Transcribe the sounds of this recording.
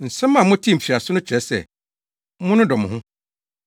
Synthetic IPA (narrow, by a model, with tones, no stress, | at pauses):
n̩˨sɛ̃˦mːã˨mʊ̃˦tʰi˦˨m̩˨fʰi˨a˨sʊ˦nʊ̃˦t͡ɕʰᶣɾɛ˨˦sɛ̰˨ | mʊ̃˦nʊ̃˦dɔ˨m̃˨hʊ̃˦